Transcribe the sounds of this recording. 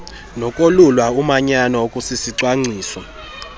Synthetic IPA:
nɔkʼolulwaumaɲanaokʼusisiǀwaŋ͡ǀiːsɔ

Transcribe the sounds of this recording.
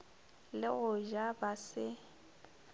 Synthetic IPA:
lɪɣʊʒabasɪ

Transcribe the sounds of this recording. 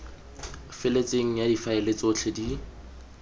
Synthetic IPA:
fɪlet͡sʼeŋ̩jadifaɪlet͡sot͡ɬʰedi

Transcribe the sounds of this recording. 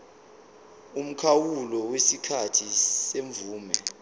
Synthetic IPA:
um̩kʰawulɔwesikʰatʰiseɱvuːmɛ

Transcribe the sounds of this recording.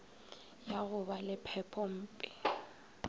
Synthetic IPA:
jaɣʊbalɪpʰɛpʰɔm̩ːpʼɪ

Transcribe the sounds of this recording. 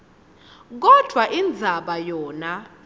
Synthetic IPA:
k̬ɔd̥ʱwaʔind͡zʱaɓajɔːna

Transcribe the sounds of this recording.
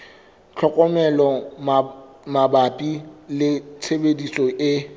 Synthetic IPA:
t͡ɬʰɔkʼɔmɛlɔ | mabapʼilɪt͡sʰebedisʼɔʔɪ

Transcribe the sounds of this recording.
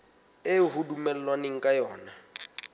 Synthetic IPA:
eɦudumɛl̩lwanɪŋ̩kʼajɔːna

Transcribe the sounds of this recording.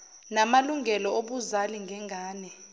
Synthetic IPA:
namaluŋɡʱɛlɔoɓuzaliŋɡʱɛŋʱaːnɛ

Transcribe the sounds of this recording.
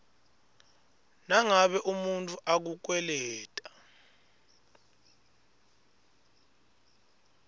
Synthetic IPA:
naŋaɓɛʔumuntʰʼuʔak̬uk̬wɛlɛːtʼḁ

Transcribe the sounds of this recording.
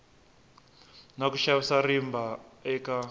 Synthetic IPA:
nakuʃawisarimbaɛka

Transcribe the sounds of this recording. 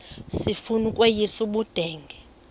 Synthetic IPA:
sifunukʼwejisuɓud̥ʱɛːŋɡʱɛ

